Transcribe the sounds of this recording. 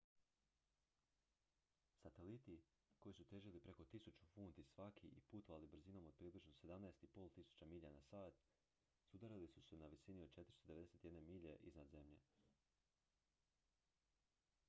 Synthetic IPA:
sat̪e̞lit̪i | ko̞jisut̪eʒilipɾe̞ko̞t̪isut͡ʃu̥fuːnt̪isʋakʰiʔipuːt̪oʋalibɾ̩zino̞mo̞d̪̚pɾiːbliʒnose̞d̪amnaest̪ipo̞ːlˠt̪isu̥t͡ɕamiʎanasaːt̪ | sud̪aɾilisusenaʋisinio̞d̪̚t͡ʃe̞t̪ɾist̪o̞d̪e̞ee̞se̞t̪je̞d̪nemiːʎeʔiznad̪ze̞mʎe̞̰

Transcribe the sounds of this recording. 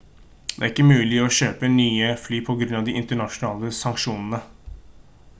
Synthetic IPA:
d̪ɛæɾɪkːəmʉːlɪɔɕøːpənyːəflyːpʰɔɡɾʉnːɑʋd̪ɪʔɪnt̪əɳɑʂʊnɑːləsɑŋkʂuːnənə

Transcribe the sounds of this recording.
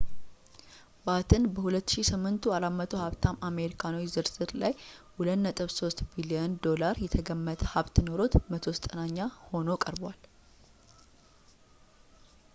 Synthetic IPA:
bat̪ʰɨnbəhulət̪ːʃisɨmːɨnt̪ʰuaɾamət̪ʰo̞haβt̪ʰamame̞ɾikʰanawizɨɾsɨɾlajwulət̪nət̪ʼɨβso̞st̪biliənd̪o̞laɾjɛt̪ʰəɡəmːət̪ʰʼəhaβt̪no̞ɾo̞t̪mət̪ʰo̞st̪ʼənaɲːaho̞no̞kʼəɾbwal

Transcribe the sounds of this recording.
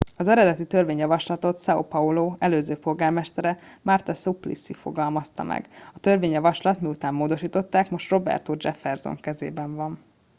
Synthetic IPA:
ɒzɛɾɛd̪ɛt̪it̪ø̞rveːɲjɒvɒʃlɒt̪o̞t̪sɒopɒoloːɛløːzøːpo̞lɡaːrmɛʃt̪ɛɾɛmart̪ɒsuplḭsifo̞̰ɡɒlmɒst̪ɒ̰mʔɛ̰ɡɒt̪ø̞rveːɲjɒvɒʃlɒt̪miut̪aːmːoːd̪o̞ʃiːt̪o̞t̪ːaːkmo̞ʃt̪ro̞bɛ̰rt̪od͡ʒɛfɛrzo̰ŋkɛzḛːbɛɱvɒn

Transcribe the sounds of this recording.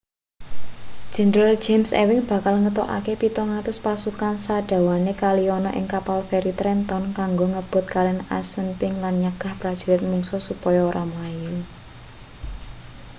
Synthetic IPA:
d̥ʒ̥ɛ̤nɾald͡ʒemsḛwɪŋb̥ä̤kalŋət̪ɔʔa̰kepit̪ɔŋat̪ʊspasukansaɖ̥a̤wanekaliɔnɔʔɪ̰ŋkapalfɛɾit̪ɾɛnt̪ɔnkaŋɡoŋəb̥ʊ̤t̪̚kalɛna̰sunpɪŋlanɲaɡ̥a̤hpɾad̥ʒ̥ṳlɪt̪̚muŋsɔsupɔjɔoɾʔamaju

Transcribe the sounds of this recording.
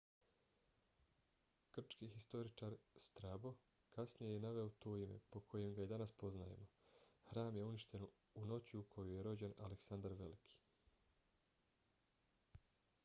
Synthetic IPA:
kr̩t͡ʃkihist̪o̞ɾit͡ʃaɾst̪ɾabo̞ | kasnijejenaʋe̞ot̪o̞ːime̞̰po̞kʰo̞je̞mɡajed̪anaspo̞znajḛmo̞xɾaːmje̞uniʃt̪e̞n | uno̞t͡ɕiukʰo̞juje̞ɾo̞d͡ʑe̞na̰leksand̪aɾʋe̞likʰi̥

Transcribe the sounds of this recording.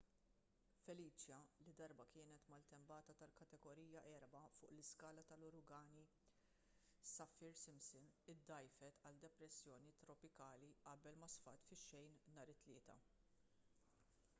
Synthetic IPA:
fɛliːt͡ʃjɐlid̪ɐɾbɐkɪːnɛt̪mɐlt̪ɛmbɐːt̪ɐt̪ɐlkɐt̪ɛɡɔɾiːjɐʔɛɾbɐfʊ̰ːʔlɪskɐːlɐt̪ɐlʊɾʊɡɐːni | sɐfːɪɾsɪmsɪnɪd̪ːɐjfɛt̪ɐld̪ɛpɾɛsːjɔːnit̪ɾɔpɪkɐːliʔɐbɛlmɐsfɐt̪fɪʃːɛjnnɐːɾɪt̪ːlɪːt̪ɐ̰

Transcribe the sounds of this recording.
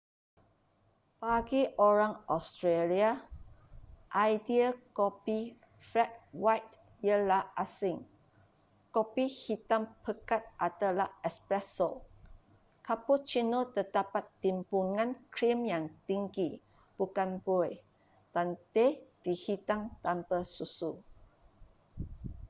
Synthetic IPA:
paɡiʔoɾaŋɔst̪ɾelia | ʔajdiəkopi | fɾɛt̚wajt | jəlaʔasɪŋ | kopihit̪aŋpəkat̪̚ʔat̪alahɛkspɾɛsol | kapot͡ʃinot̪ədapat̪ːimpuŋãnkɾimjaŋt̪iŋɡi | b̥ukanboj | t̪ant̪ed̥ihit̪aŋt̪ampəsusu

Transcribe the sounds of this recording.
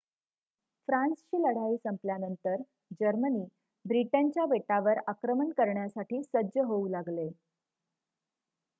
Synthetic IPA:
fɾãnst͡ɕiːləɽ̤aiːsəmpljanənt̪əɾ | d͡ʑəɾməniː | bɾiʈaɲt͡ɕjabeʈaʋəɾakɾəmənkəɾɳjasaʈiːsədd͡ʑəɦoulaɡle

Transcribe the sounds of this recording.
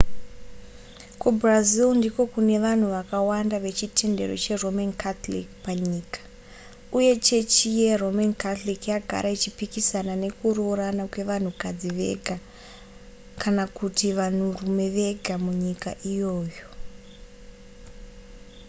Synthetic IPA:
kubʱrazilndiko̞kune̞ʋan̤uʋakawandaʋe̞t͡ʃite̞nde̞̰ro̞̰t͡ʃe̞ro̞mankat̪lḭkpaɲiːkḁ | uje̞t͡ʃe̞t͡ʃijero̞mankat̪olikjaɡʱa̰ɾʔait͡ʃipikisanane̞kuɾoɾanakwe̞ʋan̤ukad͡ziʋe̞̰ɡʱa | kʰanakutiʋan̤urume̞ʋe̞ɡʱamuɲikaʔijo̞ːjo̞

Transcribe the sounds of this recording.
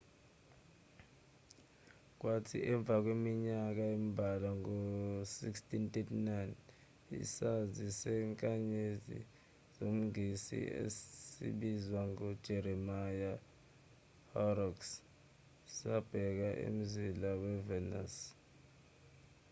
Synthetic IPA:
k̬watʰiʔɛɱb̪vʱak̬wemiɲak̬aimibʱalaŋosikstʼintʼetʰinajn | ḭsazisɛŋkʼaɲezḭ | zom̩isḭḛsḭɓizwaŋɔd̥ʒ̥ʱeɾimaja | hɔrɔks | sab̥ʱɛk̬aʔḛm̩zilawɛvɛna̰s

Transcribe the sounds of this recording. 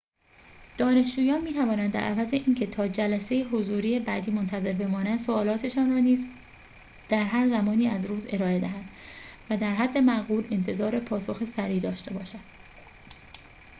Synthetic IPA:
d̪̥ɒːne̞ʃd͡ʒuːjɒːnmiːt̪ʰævɒːnænd̪æ̰ɾʔæ̰væze̞ʔiːncʰe̞t̪ʰɒːd͡ʒælæsejeɦozuːɾiːjebæːd̪iːmo̞nt̪ʰæze̞ɾbe̞mɒːnænd̪̥soɒːlɒːt̪ʰe̞ʃɒːnrɒːniːz | d̪̥æɾɦæɾzæmɒːniːæzɾuːze̞ɾɒːe̞d̪æɦænd̪̥væd̪æɾɦæd̪ːe̞mæʁuːle̞nt̪ʰe̞zɒːɾe̞pʰɒːso̞xesæɾiːd̪ɒːʃt̪e̞bɒːʃænd̪̥

